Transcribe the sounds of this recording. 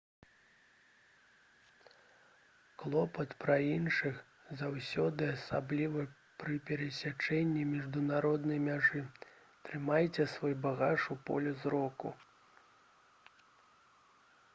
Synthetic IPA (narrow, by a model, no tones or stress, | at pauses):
klˠɔpɐt̪pɾɐinʂɨx | zawsʲɔd̪ɨasablʲivɐ | pɾɨpʲɛɾɛsʲat͡ʂɛnʲːimʲiʐd̪unaɾɔd̪nɐjmʲaʐɨ | t̪ɾɨmajt͡sʲɛsvɔjbaɣaʂupɔ̰lʲɛzɾɔkṵ